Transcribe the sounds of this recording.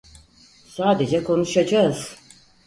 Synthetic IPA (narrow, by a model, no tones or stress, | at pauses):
saːd̪e̞d͡ʒɛkʰo̞nuʃad͡ʒaɯz̥